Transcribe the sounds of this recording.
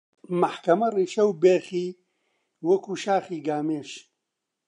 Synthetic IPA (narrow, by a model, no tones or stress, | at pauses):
mɐħkɐmɐriːʃɐwbeːχiː | wɐkʰuːʃaːχiːɡaːmeːʃ